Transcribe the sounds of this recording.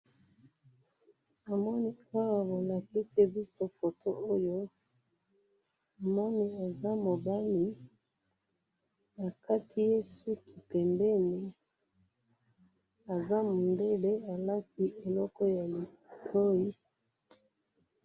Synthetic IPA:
a˨mɔ˦ni˦a˦na˨bo˨la˨ki˦si˦bi˦so˦fo˨to˦ʔo˦jo˦ | a˨mɔ˦ni˦a˨za˦mo˨ba˦mi˨ | na˨ka˦ti˦je˦su˦ki˨pɛ˨mbɛ˦ni˨ | a˨za˦mo˨nde˦le˦a˨la˦ti˦e˨lɔ˦kɔ˦ja˨li˨ | tʰo˦i˦

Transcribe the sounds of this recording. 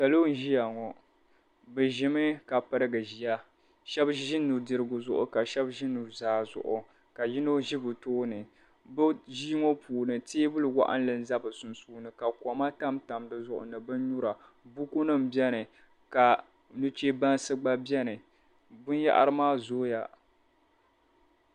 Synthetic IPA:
ta˨lo˦n̩˦ʒi˦ja˨ŋɔ˨ | bɛ˨ʒɪ˨mɨ˦ka˨pɨ˦ɾɨ˦ɡɨ˨ʒi˨ja˦ | ʃɛ˦bʒɪ˦nu˨ɾdɨ˦ɾɨ˦ɡʊ˨zʊ˦ʔʊ̰˨ka˨ʃɛ˦bʒɪ˦nu˨ɾzaː˦zʊ̰˨ʔʊ̰˨ | ka˨ji˦no˦ʒi˦bɨ˨toː˦nɨ˨ | bɨ˦ʒiː˦ŋo˦puː˨nɨ˨teː˦bɨ˦lɨ˨wa̰˦ʔa̰˦n˦lɨ˨n˦za˦bɨ˨sʊ˨nsuː˦nɨ˨ka˨kʷɔ˨ma˦ta˦mta˨mdɨ˦zʊ˦˨ʔʊ̰˨nɨ˨bɨ˦n˦ɲu˦ɾa˨ | bu˦ku˦nɨ˦m̩˨bjɛ˦nɨ˨ | ka˨ | nu˦t͡ʃe˦ba˦nsɨ˦ɡ͡ba˦bjɛ˦nɨ˨ | bʊ˦n˦ja̰˦ʔa̰˦ɾɨ˦maː˦zoː˦ja˨

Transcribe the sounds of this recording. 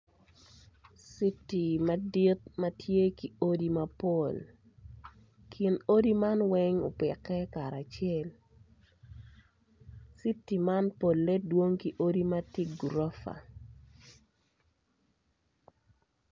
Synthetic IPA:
si˦tːi˨ma˦di˦t̪̚ma˦tʰje˦ki˨o˦di˦ma˦po˨l | kʰi˨no˦di˦ma˦nwɛŋo̰˨pɪ˨kɛ˦ka˨ɾa˨t͡ʃjɛ˦˨l | si˦tːi˨ma˦npo˨lːɛ˦dwo˦ŋki˨ʔo˦di˦ma˦ti˦ɡuɾo˦fa̰˨

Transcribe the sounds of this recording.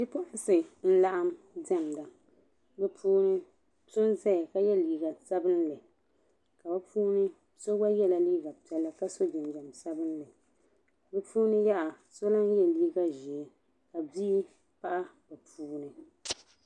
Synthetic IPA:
dɨ˦pʊ˦ʔʊ˦sɨ˨n̩˦la˦ʔa˦m | dɛ˦˨m˨da˨ | bɛ˦pʰuː˦nɨ˦ | so˦nzɛ˦˨ka˦jɛ˦liː˨ɡa˨sa˦bɨ˦nlɨ˨ | ka˨ba˦pʰuː˦nɨ˦ | so˦ɡa˦jɛ˦la˨liː˦ɡa˨pɛ˦la˦ka˦so˦d͡ʒɪ˨nd͡ʒɛ˨msa˦bɨ˦n˦lɨ˨ | bɛ˦pʰuː˦nɨ˦ja˦ʔa˨ | so˦la˦n˦jɛ˦liː˦ɡa˦ʒi˨ɛ˨ | ka˨biː˦ | pa˦ʔa˦bɛ˨pʰuː˦nɨ˨

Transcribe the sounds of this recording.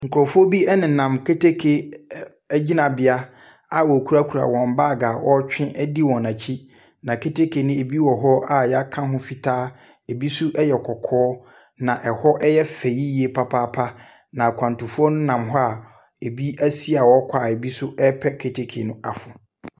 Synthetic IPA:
ŋ̩˨kʊ˨ɾɔ˨fʊ˦ɔ˦bi˦ɛ˦nɪ̃˨nã˨mkʰe˦tʰe˦kʰe˨ | ɛ˦d͡ʑi˦nã˨bɪ˨a˦ | a˨wɔ˨kʰu˦ɾa˦kʰu˨ɾa̰˨wɔ̃˨m˨baː˦˨ɡaː˨wɔ˦t͡ɕᶣɪ̃˦ʔɛ˦di˦wɔ̃˨nã˨t͡ɕʰi˦ | nã˨kʰe˦tʰe˦kʰe˨nʊ̃˦e˨bi˦wɔ˨ɦɔ˦a˨jɛ˨˦a˦kʰã˦ɦʊ̃˦fi˨tʰaː˦ | e˨bi˦sʊ˦ʔɛ˦jɛ˨kʰɔ˨kʰɔː˦ | nã˨ʔɛ˨hɔ˦ʔɛ˦jɛ˦fe˨ji˦ji˨˦e˨pʰa˦pʰa˦pʰa˦ | nã˨kʷʰã˨n˨tʊ̃˨fʊ˦ɔ˦nʊ̃˦nã˨mɦɔ˦a˦˨ | e˨bi˦æ˦si˦a˨wɔ˦kʷʰa˨e˨bi˦sʊ˦ɛ˦pʰɛ˦kʰe˨tʰe˦kʰe˨nʊ̃˦a̰˨fʊ˨

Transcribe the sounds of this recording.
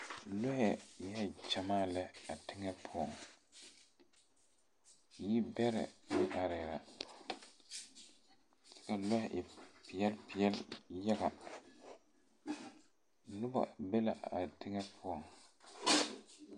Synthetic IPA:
lo˦hɛ˨jɛ˦ɛ˨t͡ʃa˨maː˦˨lɛ˦a˨tɪ˦ŋɛ˦pʰʊ˦ɔ˨ŋ˨ | ji˦bɛ˦ɾɛ̰˨jɪ˦ʔa˨ɾɪ˨ɾa̰˨ | sɛ̥˦ka˨lɔ˦hɛ˨ʔɪ˨pɪ˨jɛ˦lpɪ˨ɛ˦lja˦ɡa˨ | nʊ˦ba̰˨be˦la˨a˨tɪ˦ŋɛ˦pʰʊ˦ɔ˨ŋ

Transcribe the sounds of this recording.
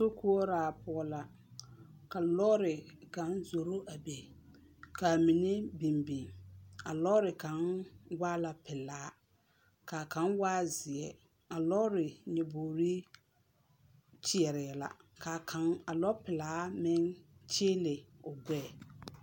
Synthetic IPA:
so˦ku˦ɔ˦ɾaː˨pʊ˨ɔ˦la˨ | ka˨lɔ˦ɾɪ˨ka˨˦nzo˨ɾo˦ʔa˨be˨ | ka˨mi˨nɪ˦bi˨mbi˨ŋa˨lɔ˦ɾɪ˨ka˨˦nwaː˦la˨pɪ˨laː˨˦ | ka˨ka˨˦nwaː˦zɪ˨ɛ˨ | a˨lɔ˦ɾɪ˨ɲɛ˨boː˨ɾi˦ | t͡ʃɪ˦ɛ˨ɾɪ˨ɛ˨la̰˨ka˨a˨a˨lɔ˦pɪ˨laː˨˦mɪ˦nt͡ʃeː˦lɪ˨ʊ˨ɡʷɛː˦˨

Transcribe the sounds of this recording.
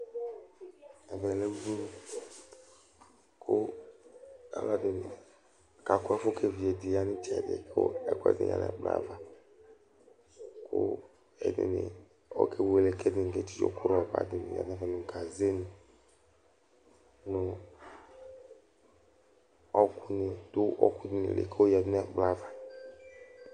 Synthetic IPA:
ɛ˨vɛ˨le˦bu˦ | kʰo˦ | a̰˨˦la˦dɪ˨nɪ˨ | ka˨kɔ˦ɛ˦fo˦kʰe˨vi˨e˨di˨ja˦nĩ˦t͡ʃɛ˨dɪ̰˨ko̰˦ɛ̰˨kɔ˦ɛ̰˦˨dɪ̰˨ɲa̰˨nɛ̰˨k͡pa̰˦˨va˨ | kʰo̰˦ | ɛ̰˨dɪ̰˨nɪ̰˨ | o̰˦kʰe˦we˨le˨ke˦dɪ˨ke˦t͡ʃi̥˦d͡ʒo̰˦ku˦ɾɔ˨va̰˨dɪ˨nɪ̰˨ja̰˨˦ɛ̃˦va˨nũ˨ɡa˨ze˦nũ˨ | nũ˨ | ɔ˦ku˦nɪ˨d̪o˦ɔ˦ku˦dɪ˦nɪ̰˨lḛ˨kʰe˦wo˦ja˨dnɛ˦ɡ͡bla˦va˨

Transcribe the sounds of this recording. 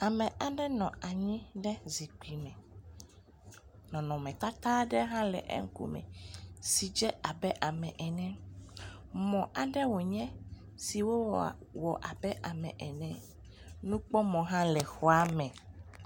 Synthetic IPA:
a˨mɛ̃˨ʔa˨ɖɛ˦nɔ̃˨a˨ɲĩ˦ɖɛ˦zi˨k͡pi˨mɛ̃˨ | nɔ̃˨nɔ̃˨mɛ̃˨t̪a˦t̪a˦ɖɛ˦ɦã˦lɛ̰˨ʔɛ̰˦ŋ̩˦kṵ˦mɛ̰̃˨si˨d͡ʒɛ˦a˨bɛ˦ʔa˨mɛ̃˨ʔɛ˨nɛ̃˦ | mɔ̃˨ʔa˨ɖɛ˦wo˨ɲɛ̃˦ | si˨wo˦wɔ˨ʔa˨bɛ˦ʔa˨mɛ̰̃˨ʔɛ˨nɛ̃˨ | nũ˦k͡pɔ˦mɔ̃˨ɦã˦lɛ˨xɔ˦a˦mɛ̃˨

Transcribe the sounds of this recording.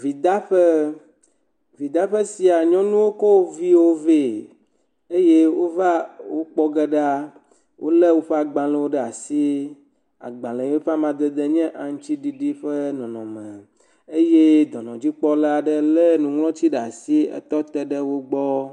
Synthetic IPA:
vi˨d̪a˦ɸɛ˦ | vi˨d̪a˦ɸə˦si˨a˨ɲɔ̃˦nũ˦wo˦kɔ˦wo˦vi˦wo˦ve˦˨ | e˦je˦wo˦va˦wo˦k͡pɔ˦ɡɛ˦ɖa˦ | wʔo̰˦lɛ˦wo˦ɸe˦a˨ɡ͡bã˨lɛ̃˨wo˦ɖɛ˦˨a˨si˦ | a̰˨ɡ͡bã˨le˨˦o˦ɸa˦mã˨d̪ɛ˨d̪ɛ˦ɲɛ̃˦ʔa˨ŋ̩̃˦t͡ɕi˦ɖi˨ɖi˦ɸə˦nɔ̃˨nɔ̰̃˨mɛ̃˨ | e˦je˦d̪ɔ˨nɔ̃˨d͡ʑi˦k͡pɔ˦la˨ɖə˦lɛ˦nũ˨ŋlɔ̃˦t͡ɕi˦ɖa˨si˦ɛ̰˦t̪ɔ˦t̪ɛ˦ɖə˦wo˦ɡ͡bɔ˦

